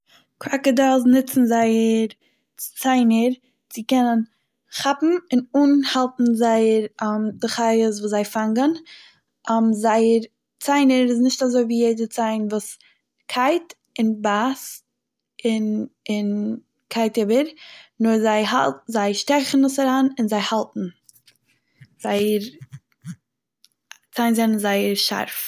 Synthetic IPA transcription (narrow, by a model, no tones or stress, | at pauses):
kʰɾakədalˠznɪt͡sn̩zaɪəɾ | t͡saɪnəɾ | t͡sɪkɛnən | χapm̩ɪnuːnhalˠtn̩zaɪəɾamdɪχaɪəsvuːszaɪfaŋɡən | ʔamzaɪəɾ | t͡saɪnəɾɪs̬nɪʃtazoɪviːjeɪdət͡saɪnvuːs | kʰaɪt | ɪnbas | ɪnɪn | kʰaɪtɪbəɾnʊɾzaɪhazaɪʃtɛχn̩uːsaɾaːnɪnzaɪhalˠtn̩ | z̥aɪəɾ | t͡saɪnzannzaɪəɾʃa̰ɾf